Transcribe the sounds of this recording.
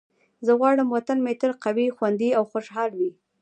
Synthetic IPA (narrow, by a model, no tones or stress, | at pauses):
zəɣwɑɽəmwat̪anmet̪əɾqawixwand̪iawxoʃɦɑlwi